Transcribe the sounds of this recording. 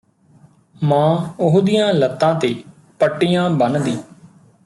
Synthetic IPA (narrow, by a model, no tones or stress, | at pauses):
mãːʊɦd̪ijãːlət̪ːãːt̪eː | pəʈːijãːbənd̪iː